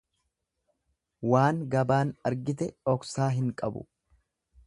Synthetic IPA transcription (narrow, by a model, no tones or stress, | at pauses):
waːŋɡɐbaːnɐɾɡɪt̪̬ɛɔksaːɦɪŋkʼɐbʊ̰